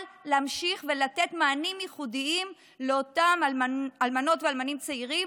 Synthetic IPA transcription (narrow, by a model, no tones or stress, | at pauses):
lleamʃiχvelatetmaːnimjiχudiim | leotamalmaalmano̞tvealmanimt͡seiʁim